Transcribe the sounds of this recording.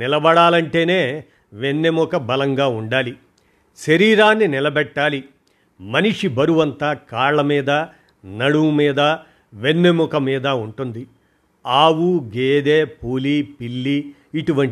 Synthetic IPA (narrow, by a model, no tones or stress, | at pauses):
nɪlɐbɐɽaːlɐɳʈe̞ːne̞ː | ʋenːemukɐbɐlɐŋɡaːuɳɖaːli | ʃɐɾiːɾaːnːinilɐbɛʈːaːli | mɐniʂibɐɾuʋɐnt̪ɐkaːɭːɐmiːd̪ɐ | nɐɽumiːd̪ɐ | ʋe̞nːemukɐmiːd̪ɐuɳʈund̪i | aːwuɡeːd̪eːpoːliːpilːiː | ʈuʋɐɳ